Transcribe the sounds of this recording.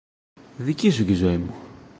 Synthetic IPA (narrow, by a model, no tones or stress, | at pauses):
ðicis̬uc̪izo̞imu